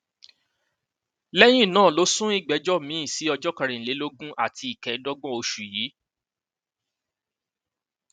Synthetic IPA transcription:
lɛ˦j̃ĩ˦˨nãː˦˨lo˨˦sũ˦i˦˨ɡ͡bɛ˨˦d͡ʒɔ˦mĩ˨˦ĩ˦˨si˨˦ɔ˧d͡ʒɔ˦ka˧ɾĩ˨le˨˦lo˦ɡũ˦ʔa˦˨tʰi˧i˨kɛ˨˦dɔ˦ɡ͡bɔ̃˦o˧ʃu˨jiː˨˦

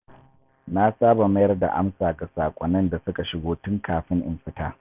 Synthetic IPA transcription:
na˦saː˦ba˨mɐ˦jɐ˦rda̰˨ʔa̰˦msaː˨ɡa˨saː˨kʷʼɔ˨nːɐ˦nda˨sʊ˦ka˨ʃɪ˨ɡoː˦tʊ˦ŋkaː˨ɸɪ˦ŋʔɪ˨mɸɪ˦taː˦

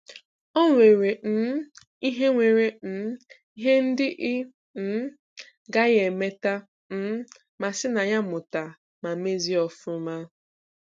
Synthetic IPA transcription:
ɔ˦ŋʷe˨ɾe˨n̩˦ | i˦ɦe˦ŋʷe˨ɾe˨n̩˦ | i˦ɦe˦n̩˦dɪ˦ʔɪ˦ | n̩˦ | ɡa˦ɣe˨me˦ta˦ | m̩˦ | ma˨sɪ˦na˨ɲa˦mʊ˨ta˨ | ma˨me˦zi˦ɔ˨fʊ˦ma˦

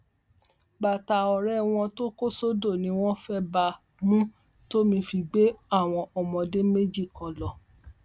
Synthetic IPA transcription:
ɡ͡ba˨ta˨ɔ˨ɾɛ˦w̃ɔ̃˧to˦ko˦so˦do˦˨nĩ˨˦w̃ɔ̃˦fɛ˦ba˧ | mũ˦ | to˦mĩ˧fi˧ɡ͡be˨˦a˦˨w̃ɔ̃˧ʔɔ˨mɔ̃˨˧de˦me˦d͡ʒi˦˨kʰɔ̃˨lɔ˨

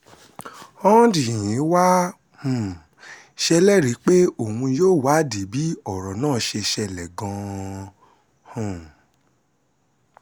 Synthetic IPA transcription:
ɔ̃˦di˨ĩ˨˦wa˦ | hũ˨ | ʃɛ˧lɛ˦˨ɾi˨˦k͡pe˦o˦˨hũ˧joː˦˨wa˨˦di˨˦bi˦ɔ˦˨ɾɔ˨nãː˦˨˦ʃe˧ʃɛ˧˨lɛ˨ɡɔ̃˧ | hũ˨

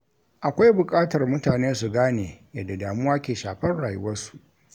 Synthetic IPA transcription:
ʔa˨kʷa˦jbʊ˨kʼaː˦tɐ˨rmʊ˦taː˨neː˦su˨ɡaː˦neː˨jɐ˨dːa˨daː˨mʊ˦waː˦kʲeː˨ʃaː˨ɸɐ˦nɽaː˨jʊ˦wɐ˦rsu̥˨ʔ

